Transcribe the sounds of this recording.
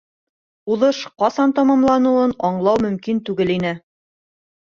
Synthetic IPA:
uðɤʃqɑsɑnt̪ɑmɑmlˠɑnuɤnɑɴlˠɑwmɵ̆mkint̪ʉɡɘlinɘ

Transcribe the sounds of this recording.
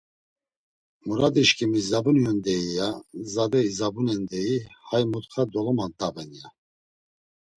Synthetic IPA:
muɾad̪iʃkʰʼimizabunjɔnd̪ɛijazad̪ɛizabunɛnd̪ɛihajmut̪χʰad̪ɔlɔmant̪ʼabɛnija

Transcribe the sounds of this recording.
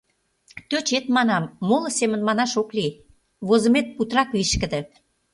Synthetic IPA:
t̪øt͡ɕet̪mɑnɑmːolɤ̆semə̆nmɑnɑʃokli | βozə̆met̪̚put̪rɑkβiʃkə̆d̪ə̆

